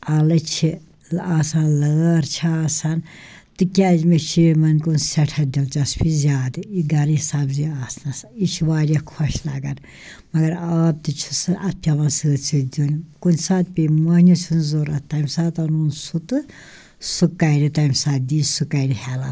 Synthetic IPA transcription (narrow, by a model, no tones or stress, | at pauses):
ɐlɨt͡ʃʰi | aːsɐːnləːɾt͡ʃʰiaːsɐnt̪ɨkʲazmet͡ʃʰimɐnkunsʲɛʈʰɐd̪ilt͡ʃɐspʰizʲaːd̪ɨiɡɐɾisɐbziaːsnɐsit͡ʃʰiʋaːɾʲɐkʰɔʃlaɡɐn | mɐɡɐɾaːb̚t̪ɨt͡ʃʰi̥sɨʔɐpʰʲɐʋɐnsɨːt͡sʰid̪ʲunʲkunʲsaːt̪̚pʲimɐnʲut͡sʰunzoːɾɐt̪t̪ːɐmsaːt̪ɐnunsut̪ɨ | sukːɐjɾit̪ɐmsaːt̪̚d̪iːsukaɾihɛla